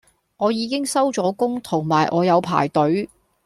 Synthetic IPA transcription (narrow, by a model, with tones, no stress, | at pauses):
ŋɔː˨˧jiː˨˧kɪ˥ŋsɐ˥wt͡ʃɔː˨˥kʊ˥ŋt̪ʰʊ˨˩ŋmaː˨˩jʔɔː˨˧jɐ˨˧wpʰa̰ː˨˩jt̪ɵ˨˥ɥ